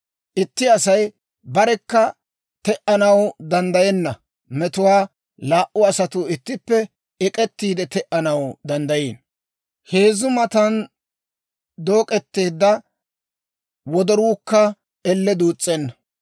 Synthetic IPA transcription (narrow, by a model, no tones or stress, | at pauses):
ʔɪt̪ːɪɐsɐj | bɐɾɛkːɐ | t̪ɛʔɐnɐwd̪ɐnd̪ɐjɛnːɐ | mɛt̪ʊwaː | laːʔʊɐsɐt̪ʊɪt̪ːɪpːɛ | ɛkʼɛt̪ːiːd̪ɛt̪ɛʔɐnɐwd̪ɐnd̪ɐjeːn | he̞ːzʊmɐt̪ɐn | d̪o̞ːkʼɛt̪ːe̞ːd̪ːɐ | wɔd̪ɔɾuːkːɐ | ɛlːɛd̪uːt͡sʼːɛnːɐ